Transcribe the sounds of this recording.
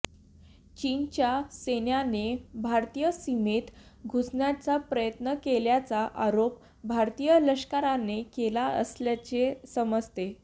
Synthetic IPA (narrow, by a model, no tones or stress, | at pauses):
t͡ɕint͡ɕjasenjanebʱaɾt̪ijəsimet̪ɡʱusɳjat͡sapɾəjət̪nəkeljat͡saʔaɾop̚ | bʱaɾt̪ijələɕkaɾanekelaə̰sljat͡ɕesəməd͡zt̪e